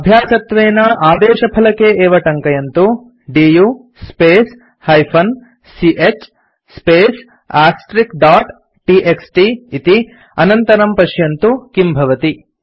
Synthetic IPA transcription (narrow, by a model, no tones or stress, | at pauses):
ɐbʱjaːsɐt̪ʋeːnɐʔaːd̪eːʃɐpʰɐlɐkeeːʋɐʈɐŋkɐjɐnt̪u | ɖiju | speːs | hɐjpʰɐn | siʔet͡ʃ | speːs | aːsʈɾikɖaːʈ | ʈiʔeksʈiit̪i | ɐnɐnt̪ɐɾɐmpɐʃjɐnt̪ukimbʱɐʋɐt̪i